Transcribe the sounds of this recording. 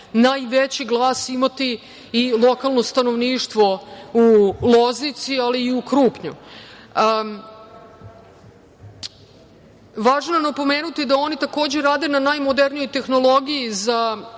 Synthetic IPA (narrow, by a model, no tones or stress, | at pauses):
najʋet͡ɕiɡlˠaːsimat̪iː | lˠo̞kalˠnost̪ano̞ʋniːʃt̪ʋo̞ulˠoznit̪sialiːukɾuːpɲṵ | ʋaːʒnjanapo̞meːnut̪id̪ao̞nit̪akoːd͡ʑeɾaːd̪e̞nanajmod̪eɾnijo̞jt̪e̞xno̞lˠo̞ɡijiza